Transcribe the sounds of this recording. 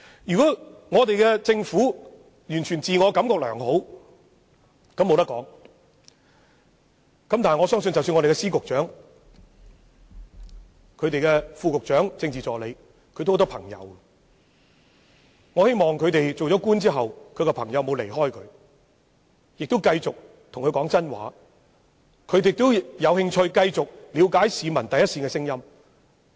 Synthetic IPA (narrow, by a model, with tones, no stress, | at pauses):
jyː˨kɔː˨˥ŋɔː˨˧t̪e˨jkɛː˧t͡sɪ˧ŋfuː˨˥ | jyː˨˩nt͡ʃʰyː˨˩nt͡siː˨ŋɔː˨˧kɐ˨˥mkɔː˨k̚lœ̰ː˨˩ŋɦo˨˥w | kɐ˨˥mo˨˧wt̪ɐ˥kɔ̰ː˨˥ŋ | kɐ˨˥mt̪aː˨ŋɔː˨˧sœː˥ŋs̬ɵ˧nt͡sɐ˨wsyː˧nŋɔ˧te˨kɛ˧siː˥kʊ˨k̚t͡ʃœː˨˥ŋ | kʰɵ˨˧ɥt̪e˨jkɛ˧fuː˧kʊ˨k̚t͡ʃœː˨˥ŋt͡sɪ˧ŋt͡siː˨˩t͡sɔː˨le˨˧j | kʰɵ˧t̪o˥˨˧t̪ɔ˥pʰɐ̰˨˩ŋjɐ̰˨˧w | ŋɔː˨˧he˥jmɔː˨ŋkʰɵ˨˧ɥt̪e˨jt͡so˨wt͡sɔː˨˥kuː˥nt͡siː˥ɦɐ˨wkʰɵ˧ɥkɛ˧pʰɐ˨˩ŋjɐ˨˧wmo˨˧wle˨˩jɦɔː˥jkʰɵ̰˨˧ɥ | jɪ˨k̚t̪ʊ˥wkɐ˧jt͡sʊ˨k̚ | t̪ʰʊ˨˩ŋkʰɵ˨˧jkɔː˨˥ŋt͡sɐ˥nwa̰ː˨˥ | kʰɵ˨˧ɥt̪e˨kt̪ʊ˥jɐ˨˧whɪ˧ŋt͡ʃʰɵ˧ɥkɐ˧jt͡sʊ˨k̚liː˨˧wkaː˨˥jsiː˨˧mɐ˨˩nt̪ɐ˨jɐ˥tsiː˧kɛ˧sɪ˥ŋjɐ˥m